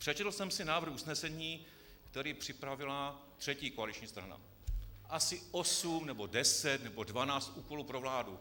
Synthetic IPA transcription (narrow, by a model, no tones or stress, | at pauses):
pr̥ɛt͡ʃɛt̪l̩sɛmsɪnaːvr̩xusnɛsɛɲiː | kt̪ɛɾiːpr̥ɪpɾavɪla | t̪r̝̥ɛciːkoalit͡ʃɲiːst̪ɾa̰na̰ | ʔasɪʔosumnɛbo̞dɛsɛt̪nɛbo̞dvanaːt͡st̪ʔuːko̞luːpɾo̞vlaːdu